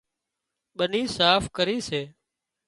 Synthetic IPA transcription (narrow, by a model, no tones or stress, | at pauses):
ɓəniːsaːfkəɾiːseː